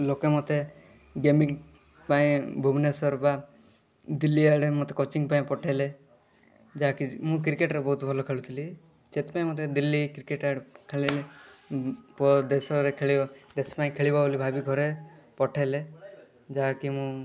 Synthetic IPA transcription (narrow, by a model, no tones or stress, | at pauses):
lokemot̪e | ɡemiŋ | paĩbʱubnesɔɾba | d̪ilːiaɽemot̪ekɔt͡ʃiŋpaĩpɔʈʰele | d͡ʒaɦakimũk̬ɾikeʈɾebɔɦut̪bʱɔlɔkʰeɭut̪ʰili | d͡ʒet̪e̥paĩmot̪ed̪ilːikɾikeʈaɽekʰeɭele | pɔd̪esɔɾekʰeɭibd̪espaĩkʰeɭibaolibʱabiɡʱɔɾe | pɔʈʰele | d͡ʒaɦakimũ